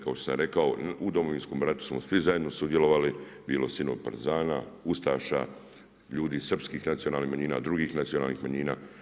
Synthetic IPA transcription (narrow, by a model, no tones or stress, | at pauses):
kaoʃt̪osa̰mɾe̞kao̞ud̪o̞mo̞ʋiːnsko̞mɾat̪u̥smosʋizaje̞d̪no̞sud̪je̞lo̞ʋalibiːlo̞sinopa̰ɾzaːna̰ust̪aːʃa̰ | ʎuːd̪isr̩pskiːxnat̪sijo̞naːlniːxmaɲiːnaːd̪ɾuɡiːxnat̪sijona̰ːlnixmaɲiːna̰ː